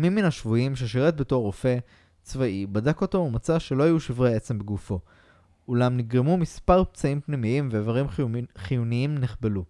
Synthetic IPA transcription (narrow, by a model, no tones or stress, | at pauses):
mimːinaʃvuimʃeʃiʁet̪beto̞ʁofe̞ | t͡svaʔibadako̞t̪oumat͡saʃe̞lo̞ajuʃivʁeet͡se̞mbeɡufo̞ | ulamniɡʁemumispaʁp̚t͡saimpnimiimveːvaʁimχχijuniimniχbelu